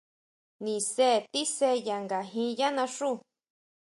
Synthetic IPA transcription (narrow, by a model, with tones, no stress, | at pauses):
nĩ˨se˦˨t̪i˦se˧˦˨ja˨ŋɡa˨ɦĩ˧˦ja˦nã˧ʂu˦˨